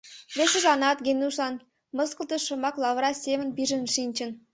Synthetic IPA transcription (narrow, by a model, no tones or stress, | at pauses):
vʲeʃɘ̆ʒɑnɑt̪ɡʲenʲuʂɑn | mɤ̆skə̆lˠt̪əʃɤ̆mɑklˠɑvɾɑsʲemə̆nbʲiʒɘ̆nʂinʲt͡ɕɘ̆n